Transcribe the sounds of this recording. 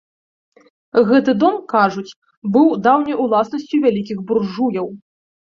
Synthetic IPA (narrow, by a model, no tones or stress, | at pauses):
ɣɛt̪ɨd̪ɔmkaʐut͡sʲ | bɨwd̪awnʲɐjulˠasnɐsʲt͡sʲuvʲalʲikʲiɣburʐujɐw